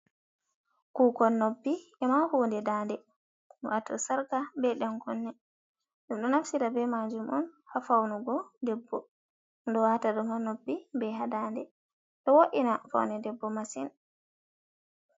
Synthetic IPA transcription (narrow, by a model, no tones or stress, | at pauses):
kuːkɔnːobːiʔɛmahuːndɛdandɛ | wʔatɔ̰saɾkabɛɗɛnkɔnːɛ | ɗumɗɔnafsiɾabɛmad͡ʒumɔnhafawnuɡɔdɛbːɔ | ndɔwataɗɔhɔnobːibɛɦadaːndɛ | ɗɔwoʔinafa̰wnɛdɛbːɔmasin